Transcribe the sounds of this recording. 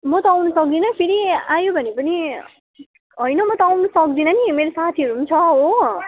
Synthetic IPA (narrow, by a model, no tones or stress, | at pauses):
mʌt̪ʌawnʌsʌk̚d̪inʌpʰiɾiajobʱʌnepʌni | ɦʌjnʌmʌt̪ʌawnʌsʌk̚d̪inʌnimeɾosat̪ʰiʌɾukunt͡sʰʌɦo